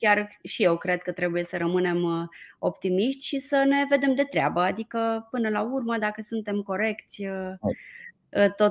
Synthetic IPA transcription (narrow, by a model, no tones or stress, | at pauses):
kʲarʃije̞wkɾe̞d̪̚kət̪ɾe̞buje̞səɾəmɨne̞mo̞pt̪imiʃt̪ʲʃisəne̞ve̞d̪e̞md̪e̞t̪ɾea̰bəad̪ikəpɨnəlaurməd̪akəsunt̪e̞mko̞ɾe̞kt̪sʲə | ət̪o